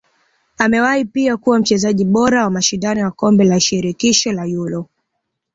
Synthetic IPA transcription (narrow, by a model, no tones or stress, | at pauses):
amɛwaipiakuwam̩t͡ʃɛzaʄiɓɔɾawamaʃindanijwakɔmbɛlaʃiɾikiʃɔlajulɔ